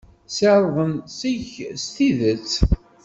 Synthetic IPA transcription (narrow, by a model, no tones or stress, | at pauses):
səɾvənsiʝst̪iðət͡sː